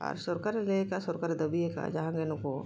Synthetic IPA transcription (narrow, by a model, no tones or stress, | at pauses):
ɔ̰ːɾsɔɾkaɾelekasʊɾkaːɾed̪ɐbieka̰d͡ʒaɦãɡenuko